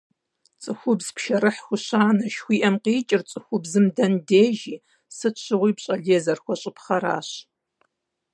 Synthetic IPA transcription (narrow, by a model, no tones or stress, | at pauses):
t͡sʼɨxʷʊbz̥pʃɐɾɨħxʷʊɕaːnɐʃxʷiːʔɐmqiːt͡ʃʼɪrt͡sʼɨxʷʊbzɨmdɐndeːʒiː | sɨɕʰɨʁʷiːpɕʼɐɮeːzɐrxʷɔɕʼɪpχɐɾa̰ːɕ